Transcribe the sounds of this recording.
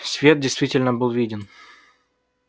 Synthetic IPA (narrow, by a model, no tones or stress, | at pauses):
sʲvʲet̪̚dʲɪjst̪vʲitʲɪlʲnəbɨlˠvʲidʲɪn